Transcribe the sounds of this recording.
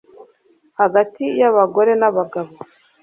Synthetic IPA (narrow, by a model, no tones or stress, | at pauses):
haɡatijaβaɡo̞ɾe̞naβaɡaβo